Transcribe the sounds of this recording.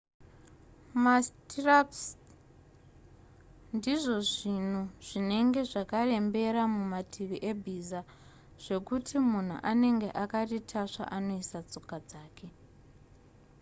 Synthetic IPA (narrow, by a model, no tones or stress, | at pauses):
mastiraps | ndiʐo̞ʐin̤uʐ̥ine̞ŋɡe̞ʐakare̞mbe̞ɾamumatʰiʋiʔebʱiza | ʐ̥e̞kutʰimun̤ṵʔane̞ŋɡe̞ʔakaritʰaʂa̰ʔano̞isat͡so̞kad͡zaːkʰe̞